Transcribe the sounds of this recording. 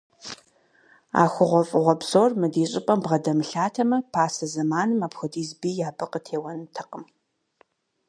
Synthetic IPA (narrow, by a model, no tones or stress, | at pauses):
a̰ːxʷʊʁʷɔfʼɨʁʷɔbzoːrmɨdiːɕʼɪpʼɐmbʁɐdɐmɨɬaːtʰɐmɐpʰaːsɐzɐmaːnɨmaːpxʷʊdiːzbiːjaːbɨqʼətʰeːwɐnɨtʰɐqʼəm